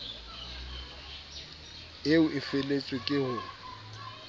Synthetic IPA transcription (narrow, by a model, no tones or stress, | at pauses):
eʊʔɪfelet͡sʼwɪkʼɪhʊ